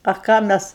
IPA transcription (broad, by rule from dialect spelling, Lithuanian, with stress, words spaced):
ɐ ˈkɑː ˈmʲɛs